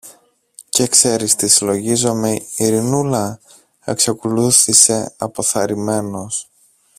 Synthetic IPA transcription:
ce̞kse̞ɾist̪isilo̞ʝizo̞me̞iɾinulɐ | e̞ksɐkuluθise̞ɐ̰po̞θɐɾime̞no̞s

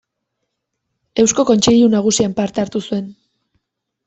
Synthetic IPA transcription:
e̞wsko̞ko̞nt͡ʃe̞ʎunaɣ̞usiampaɾt̪eaɾt̪usue̞n

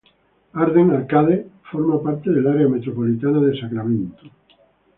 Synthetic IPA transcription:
aɾðeŋaɾkaðefoɾmapaɾt̪eðelaɾeamet̪ɾopolit̪anaðesakɾamẽnt̪o̥

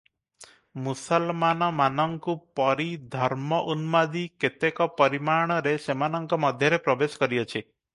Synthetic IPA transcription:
musɔlmanɔmanɔŋkupɔɾid̪ʱɔɾmɔʔunmad̪iket̪ekɔpɔɾimaɽ̃ɔɾesemanɔŋkɔmɔd̪ʱjɔɾepɾɔbesɔ̥kɔɾiɔt͡ʃʰi

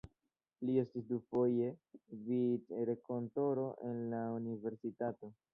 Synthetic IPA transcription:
lie̞stisdufo̞je̞vitɾeko̞nto̞ɾo̞ʔe̞nlaunive̞ɾsitato

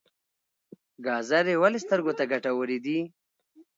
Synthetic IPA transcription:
ɡɑːzaɾewalest̪əɾɡot̪aɡaʈawəɾid̪i

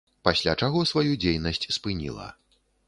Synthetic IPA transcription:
pasʲlʲat͡ʂaɣɔsvajud͡zʲejnɐsʲt͡sʲspɨnʲḭlˠɐ̰

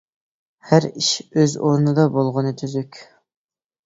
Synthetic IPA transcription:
hæɾiʃøzoɾnɨd̪ɑbolˠʁʊnɨt̪ʰyzykʲ

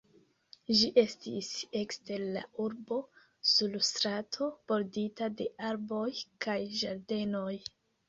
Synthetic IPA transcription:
ʒiʔe̞stise̞kste̞ɾla̰uɾbo̞ | sulstɾatʰo̞b̥o̞ɾditade̞aɾbo̞jkajʒaɾde̞no̞j

